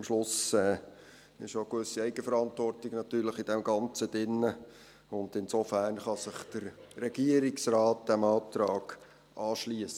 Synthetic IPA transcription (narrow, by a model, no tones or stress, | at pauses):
mʃlʊsɛː | ɪ̰ʃokʋʏsiɛɪɡəfəɾɑntʋɔrtɪɡnɑt̪yːɾləχid̥ɛmɡɑnt͡səd̥ɪnːə | ʊndɪnsofæːrnχɑsɪχd̥əɾɾɛɡ̥iəɾiksrɑːt̚d̪̥æmɑːt̪ɾɑːɡ̥ | ʔɑːʃliəsə